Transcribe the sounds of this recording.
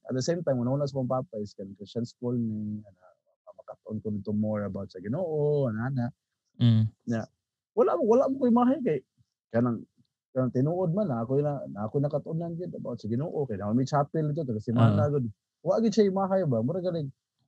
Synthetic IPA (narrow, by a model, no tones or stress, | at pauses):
ʔɐ̰t̪̚d̪əsejmt̪ajmʊnahuːnasapaŋpaːpaɪskankɾɪst͡ʃanskolnɪana | amɐkat̪aʔonkod̪ɪt̪ʊmoɹɐbawt̪̚sɐɡɪnoːʔoanaːnaʔ | ɲa | walaʔmʊwalaʔmʊkjɪmaːɦajkaj | kanaŋ | kanaŋt̪ɪnuːʔod̪̚manːaakonanaakʊjnɐkat̪aʔʊnanɡɪd̪ɐbawt̪̚sɐɡɪnoːʔokajnamanmajt͡ʃaːpɪld̪ɪt̪̬ːot̪̬aɡasɪmaːnaɡʊd̪̚ | waʔɡɪd̪̚ʃajɪmaːɦajbamʊɾaɡalɪɡ̚